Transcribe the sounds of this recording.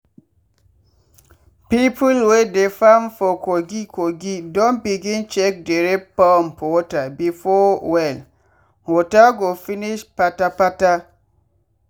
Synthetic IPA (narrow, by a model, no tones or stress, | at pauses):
pipulwedefamfɔkoɡikʰoɡidõnbiɡĩnt͡ʃɛk̚deɹepampɔtabifɔwɛl | wotaɡofiniʃpatapata